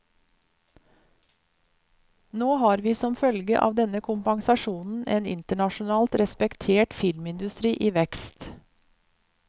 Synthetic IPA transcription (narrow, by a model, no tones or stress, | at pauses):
noːhɑːɾʋiːsɔmfœlɡəʔɑ̰ːʋd̪ɛnəkʰʊmpɑŋsɑʃuːnn̩ʔeːnɪ̰nt̪əɳɑʃʊnɑːlt̪ɾɛspɛkt̪ʰeːʈfɪlmɪnd̪ʉst̪ɾiːʔiːʋɛkst̪